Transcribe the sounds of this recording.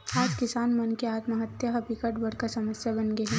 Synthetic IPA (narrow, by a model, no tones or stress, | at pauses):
aːd͡ʒkɪsaːnmɐnkeaːt̪maɦɐt̪jaɦɐbɪkəʈbɐɽ̤kasɐməsjabɐnɡeɦɛ̃